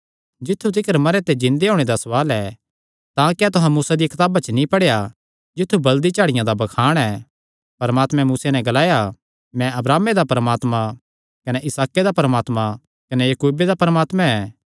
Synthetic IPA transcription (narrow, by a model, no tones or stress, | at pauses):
d͡ʒɪt̪ʰːut̪̬ɪkəɾmɐɾet̪ed͡ʒɪ̃nd̪eɦoːɽ̃ed̪asɐʋaːlɛː | t̪ãːkɛːt̪ʊɦãmuːsad̪iekɪt̪aːbat͡ʃənĩpɐɽeja | d͡ʒɪt̪ʰːubɐld̪it͡ʃaːɽɪjãd̪abɐkʰaːɽ̃ɛ | pɐɾəmaːt̪mɛ̃muːsenɛ̃ɡɐlaːja | mɛ̃ɐbɾaːmed̪apɐɾəmaːt̪mã | kɐnɛʔɪsaːked̪apɐɾəmaːt̪mã | kɐnejɐkuːbed̪apɐɾəmaːt̪mãɛː